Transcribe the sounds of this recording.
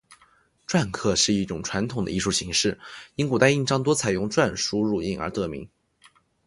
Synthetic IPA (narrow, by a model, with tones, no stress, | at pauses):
ʈ͡ʂwa˥˧nkʰɤ˥˧ʂɻ̩˥˧i˥˩ʈ͡ʂʊ˨˩ŋʈ͡ʂʰwa˧˥nt̪ʰʊ˨˩ŋd̪ə̰˦i˥˧ʂu˥˩ɕi˧˥ŋʂɻ̩˥˩i˧˥ŋku˨˩t̪a˥˧ɪi˥˩ŋʈ͡ʂɑ˥ŋt̪wɔ˥t͡sʰa˨˩ɪjʊ˥˧ŋʈ͡ʂwa˥˧nʂu˥ɻu˥˩i˥˩ŋə̰˞˧˥t̪ɤ˧˩mḭ˧˥ŋ